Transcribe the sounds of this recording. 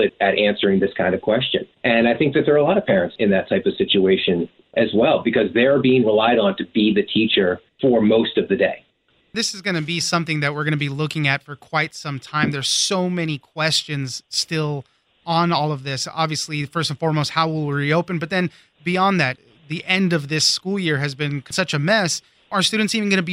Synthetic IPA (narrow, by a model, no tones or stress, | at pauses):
ɪɾɨɾʔæ̃nsə˞ɪ̃ŋðɪskʰãɪ̃ndʌv̥kʰw̥ɛst͡ʃɨ̰̃nʔɨ̃naɪθɪ̃ŋk̚ðɨt̪̚ðə˞əlɔɾʌv̥pʰɛɹɨ̃ntsɨ̃nðɨtʰaɪpʌv̥sɪt͡ʃueɪʃɨ̃n | ʔɨzwɛlˠbɨkʰʌzðəbiɪ̃ŋɹəlaɪɾn̩tʰɨbiðɨtʰit͡ʃə˞fə˞moʊstʌvðɨdeɪ | ðɪsɨzɡʌnɨbisʌ̃mθɪ̃ŋðɨt̚wɪɹɡʌnɨbilʊkɪ̃ŋɨtfə˞kʰw̥aɪtsʌ̃mtʰãɪ̃mðə˞z̥soʊmɛnikʰw̥ɛst͡ʃɨ̃nz̥stɪlˠ | ə̃nɔlˠʌvðɪsɑ̰bviɨslifɜ˞stn̩fɔɹmoʊst̚haʊwɪlˠɹioʊpɨ̃n̩bʌt̪̚ðɨ̃n | biɑ̃nðæt̪̚ | ðiʔɛ̃ndʌvðɪskulˠjɪɹɨzbɨ̃nkʰsʌt͡ʃɨmɛs | ʔə˞stʉdⁿn̩tsiṽn̩ɡʌnɨbi